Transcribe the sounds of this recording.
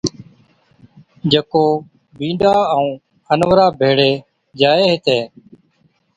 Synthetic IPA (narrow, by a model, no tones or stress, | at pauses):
d͡ʒəkoː | bĩːɖaːəũː | ənʋəɾaːbʱeːɽeː | d͡ʒaːeːɦɪt̪eː